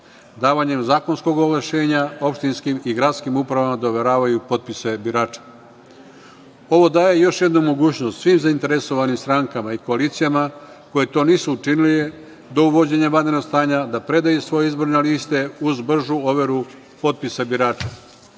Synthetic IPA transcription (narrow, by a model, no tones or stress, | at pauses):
d̪aːʋaɲe̞mzaːko̞nsko̞ɡoɡlaʃe̞ːɲao̞pʃt̪inskimiɡɾat̪skimupɾaʋamad̪aoʋe̞ɾaːʋajupo̞t̪̚pise̞biɾaːt͡ʃḁ | o̞ʋo̞d̪aːje̞jo̞ʃje̞d̪numo̞ɡuːt͡ɕno̞st̪sʋimzaint̪e̞ɾe̞so̞ʋanimst̪ɾaŋkamaiko̞aliːt̪sijama | ko̞je̞t̪o̞ːniːsuut͡ʃiniliʋe | d̪o̞uʋo̞d͡ʑe̞ɲabad̪enoɡst̪aːɲad̪apɾe̞d̪ajusʋo̞je̞izbo̞ɾneliːst̪e̞uzbr̩ʒuo̞ʋeɾu | po̞t̪̚pisebiɾaːt͡ʃa